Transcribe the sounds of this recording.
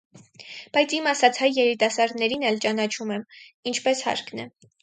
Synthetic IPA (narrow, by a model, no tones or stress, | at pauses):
b̥ɑjt͡sʰimɑsɑt͡sʰhɑjːɛɾit̪ɑsɑɾd̪nɛɾinɛlt͡ʃɑnɑt͡ʃʰumɛmint͡ʃʰpɛshɑ̰ɾknɛ